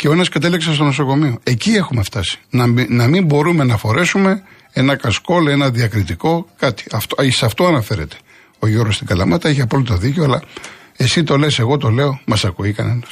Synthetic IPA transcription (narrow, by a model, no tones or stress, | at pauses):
ceoenɐskɐt̪e̞liksɐst̪o̞no̞so̞ko̞mio̞e̞cie̞xume̞ft̪ɐsi̥nnɐmimbo̞ɾume̞nɐfo̞ɾe̞sume̞ | e̞nɐkɐsko̞le̞nɐðiɐkɾit̪iko̞kɐt̪i̥ɐft̪oisɐft̪o̞ɐnɐfe̞ɾe̞̰t̪e̥ | o̞ʝoɾost̪iɡɐlɐmɐt̪ɐeçiɐpo̞lit̪o̞ðiceoɐlɐe̞sit̪o̞lese̞ɣo̞t̪o̞le̞o̞mɐsɐkuikɐne̞nɐs